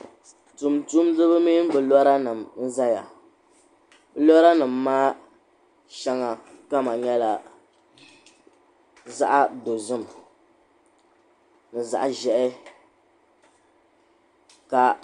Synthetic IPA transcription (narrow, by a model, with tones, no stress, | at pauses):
tu˨mtu˦mzɨ˦βɨ˦mi˦m˦bɨ˨lɔ˦ɾa˦nɨ˨mn̩˦za˦ja˨ | bɨ˨˦lɔ˦ɾa˦nɨ˨mːaː˦ | ʃa˦ŋa˨ka˦ma˨ɲɛ˦la˨ | za̰˦ʔa˦do˨zɨ˦m˨ | nɨ˨za̰˨ʔʒɛ˨ʔɪ˦ | ka˦